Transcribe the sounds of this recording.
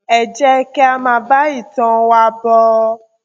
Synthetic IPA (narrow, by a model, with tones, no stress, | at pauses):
ɛ˨d͡ʒɛ˦kɛ˦a˧mã˧˦ba˦i˦˨tɔ̃˧wa˧bɔ˧